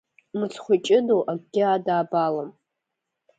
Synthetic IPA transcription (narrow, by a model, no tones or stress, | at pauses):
mɨt͡sʰχʷʊt͡ʃʼɪdowʔaɡʼɡʲɪadaːbalam